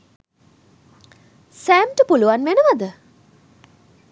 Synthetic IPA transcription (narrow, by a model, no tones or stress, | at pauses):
sæmʈəpuluʋanʋenəʋad̪ə